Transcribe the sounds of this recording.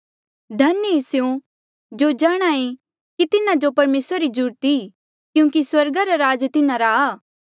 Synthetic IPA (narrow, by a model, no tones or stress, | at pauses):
d̪ʱɐnːesjõ | d͡ʒoːd͡ʒaːɽ̃aẽ | kit̪ɪnãd͡ʒopɐɾmeːsɾɾid͡ʒʊɾt̪i | kjũːkiswɐɾɡaɾaɾaːd͡ʒt̪ɪnãɾaː